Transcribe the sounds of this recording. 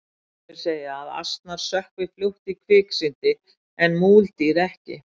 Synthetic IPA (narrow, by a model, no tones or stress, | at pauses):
ɾ̥seːjaːða̰st̪naɾ̥sœhkvɪfluht̪ikʰvɪːksɪnt̪ɪ | ɛnmuːlt̪iɾɛhcɪ̰